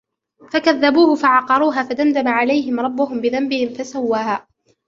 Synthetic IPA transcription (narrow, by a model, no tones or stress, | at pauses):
fakaðːabuːhʊfaʕɑqɑɾˤuːɦaːfad̪and̪amaʕalajɦɪmɾˤɑbːʊɦʊmbɪðambɪhɪmfasawːaːhaː